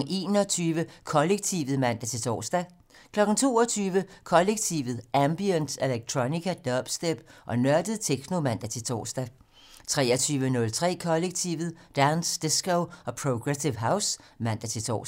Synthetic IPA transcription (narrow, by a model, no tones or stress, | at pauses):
ʔe̝̰ːnɒt͡sʰyːʋəkʰɒ̽leɡ̥̚t͡sʰiʋð̩ˠmæn̰d̥æt͡sʰe̝t͡sʰɒ̰ːsd̥æ | kʰlɒ̽ɡ̥n̩t͡sʰo̝̰ːɒt͡sʰyːʋəkʰɒ̽leɡ̥t͡sʰiʋð̩ˠʔæmb̥iənd̥eleɡ̥̚t͡sʰʁonikʰæd̥ɒb̥sd̥eb̥ʔɒ̽nɶɐd̥əð̩ˠt͡sʰeɡ̥no̝mæn̰d̥æt͡sʰe̝t͡sʰɒ̰ːsd̥æ | t͡sʰʁɛ̰ːɐt͡sʰyːʋənɔ̽lt͡sʰʁɛ̰ːkʰɒ̽leɡ̥̚t͡sʰiʊʋð̩ˠd̥ænsd̥esɡ̥oʊɒ̽pʰʁoɡ̥ʁesiʋɦäʊsmæn̰d̥æt͡sʰe̝t͡sʰɒ̰